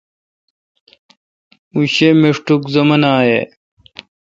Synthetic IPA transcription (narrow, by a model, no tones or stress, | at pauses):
muɕemeʂʈukzɐmɐnaːje